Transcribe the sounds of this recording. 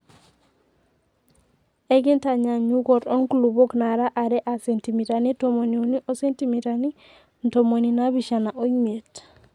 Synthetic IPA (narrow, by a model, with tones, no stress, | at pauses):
e˦ɡi˦nta˨ɲa˨ɲu˦ɡo˨ɾo˦ŋkulu˨bo˦kna˨ɾa˦ʔa˨ɾɛ˦ʔa˨se˨nti˨mi˨ɾa˨ni˦to˨mo˨ni˨u˨ni˦ʔo˦se˦nti˨mi˨ɾa˨ni˦ | n˨to˨mo˨ni˨na˦bi˨ʃa˨na˨ʔo˦i˦me˨t